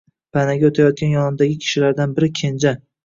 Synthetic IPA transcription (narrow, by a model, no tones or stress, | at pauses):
pʰanaɡʲaot̪ʰajɒt̪̚kʲanjɒnɪmd̪aɡʲɪkʲʰɪ̥ʃɪlaɾd̪anbɪɾɪkʲʰe̞nd͡ʒa